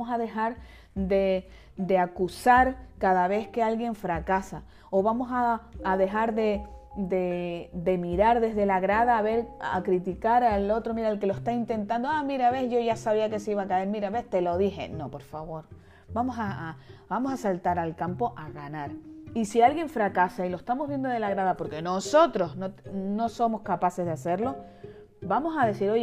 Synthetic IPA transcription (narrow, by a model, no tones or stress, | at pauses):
mosaðe̞xaɾ | d̪e̞ | d̪e̞akusaɾkaðaβe̞hke̞alɣje̞ɱfɾakasa | o̞βamo̞saːðe̞xaɾðed̪e̞d̪e̞miɾaɾðe̞ɦðe̞laɣɾaðaːβe̞ɾa̰kɾit̪ikaɾalo̞t̪ɾo̞miɾaelke̞loehst̪aint̪ẽ̞nt̪ãnd̪oamiɾaβe̞hʝo̞ʝasaβiake̞seiβakae̞ɾmiɾaβe̞ht̪e̞lo̞ðixe̞̰no̞po̞ɾfaβo̞ɾ | bamo̞sabamo̞sasalt̪aɾalkampo̞ʔaɣanaɾisialɣje̞ɱfɾakasailoest̪amoɦβje̞nd̪o̞ðe̞laɣɾaðapo̞ɾke̞noso̞t̪ɾo̞znono̞so̞mo̞skapase̞zðase̞ɾlo̞ | bamo̞saðe̞siɾo̞je